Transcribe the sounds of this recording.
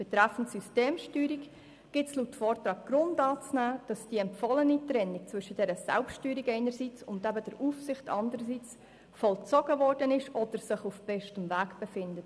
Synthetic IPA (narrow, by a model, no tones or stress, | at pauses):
b̥ɛt̪ɾɛfn̩tsysteːmʃtyːɾik | ɡ̥ɪtslutfɔːrtɾɑːɡ̚ɡ̥ɾʊndɑːt͡snæːd̥ɑsd̥iɛmpfɔlənitɾɛnːik̚t͡svʏʃəd̥ɛɾəsɛ̰lptyːɾikɛɪnəɾsit͡sʊndɛbədɛɾʔuːfsɪχtɑ̰ndəɾəsiːt͡s | fɔlt͡sɔɡ̥əvɔrdənɪʃʔɔd̥əɾsɪχufb̥ɛʃtəmvæːɡb̥efɪndət